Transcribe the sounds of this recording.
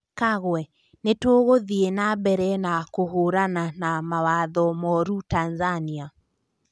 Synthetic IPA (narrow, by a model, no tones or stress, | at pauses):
kaɣwɛ | netoːɣoðienabɛɾɛnakohoɾananamawaðɔmɔɾutanzania